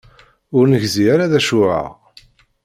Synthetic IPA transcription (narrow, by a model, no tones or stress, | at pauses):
ʊɾnəʝziaɾaðæʃʊʕa̰